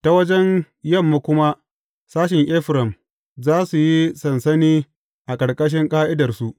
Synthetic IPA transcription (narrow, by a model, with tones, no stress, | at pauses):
ta˨wɐ˦d͡ʒɛ˦n | jɐ˦˨mːu˦kʷʊ˦ma˦ | saː˦ʃɪ˨ŋʔɛː˦ɸɾɐ˨m | zaː˦su˨ji˦sɐ˨nsɐ˦niː˦ | ʔa˨kʼɐ˨ɽkʼɐ˦ʃ̬ɪ˦ŋkʼaː˦ʔɪ˦dɐ˨rsu˦ʔ